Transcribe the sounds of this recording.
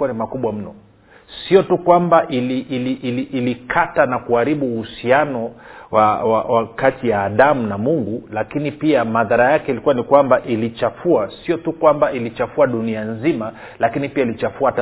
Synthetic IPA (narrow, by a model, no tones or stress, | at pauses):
uanimakuɓwam̩nɔ̰ | siɔtukwambaʔiliʔliʔːliʔlikʰatanakuaɾiɓuːhusianɔwawa̰wakatijaːɗamunamuŋɡulakinipiamaðaɾajakɛilikuwanikwambaʔilit͡ʃafuasiɔtukwambailit͡ʃafuaɗunianzima | lakinipiailit͡ʃafuata